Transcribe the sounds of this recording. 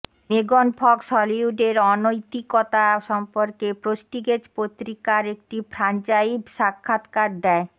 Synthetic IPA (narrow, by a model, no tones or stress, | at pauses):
meɡonpʰɔksɔliuɖeɾɔnojt̪ikɔt̪aʃɔmpoɾkepɾosʈiɡed͡ʑpot̪ɾikaɾek̚ʈipɾant͡ɕaibʃakʰːat̪kaɾ̚d̪ɛe